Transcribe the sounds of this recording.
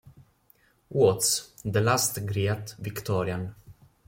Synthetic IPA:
uɔt̪sd̪əlast̪ɡɾiːt̪vɪkt̪ɔɾjan

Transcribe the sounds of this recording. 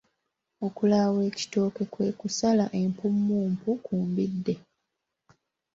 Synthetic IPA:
o̞kulawe̞ːci̥to̞ːke̞kwe̞ːkusalaʔe̞mpumːuːmpukuːmbidːe̞

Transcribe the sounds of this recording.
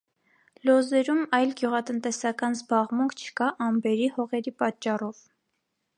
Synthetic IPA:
lɔzɛɾumɑjlɡjuʁɑt̪ənt̪ɛsɑkɑnzbɑʁmuŋkʰt͡ʃʰə̥kɑʔɑmbɛɾihɔʁɛɾipɑt͡ʃːɑrɔv

